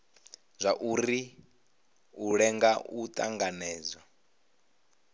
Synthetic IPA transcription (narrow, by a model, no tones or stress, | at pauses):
zʷaʔuɾi | uɺɛŋɡaut̪ʼa̰ŋɡanɛːd͡zwa